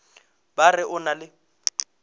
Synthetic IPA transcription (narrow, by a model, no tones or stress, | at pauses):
barɪʔʊnalɪ